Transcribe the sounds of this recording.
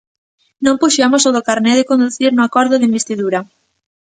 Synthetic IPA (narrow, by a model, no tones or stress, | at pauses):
nõmpuʃamosoðokaɾnɛðɪkõnd̪uθiɾnʊakɔɾðʊðimbest̪iðuɾa